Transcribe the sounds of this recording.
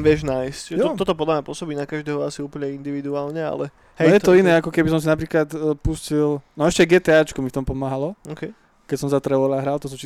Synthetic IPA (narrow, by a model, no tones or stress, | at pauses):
ʋɪɛʒnajscʒɛjɔɔɔt̪ɔpɔd̪lamɲapʊɔsɔbiːnakaʒd̪ɛːɦɔasiuːpl̩ɲɛind̪iʋid̪uaːlɲɛa̰lɛ | ɦɛjɛt̪ɔinɛːakɔkɛbis̬ɔms̬inapɾiːklat̪puscilnɔɛʃcɛɡɛːt̪ɛaːt͡ʃkɔmift̪ɔmpɔmaːɦalɔɔkɛ | kɛcsɔmzat̪ɾɛʋɔlaɦɾalt̪ɔs̬uːt͡ʃi